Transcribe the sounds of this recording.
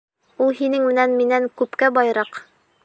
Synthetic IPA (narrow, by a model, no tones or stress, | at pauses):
ulˠɦinɘŋmɘ̆nænminæŋkʉpkæbɑjɾɑq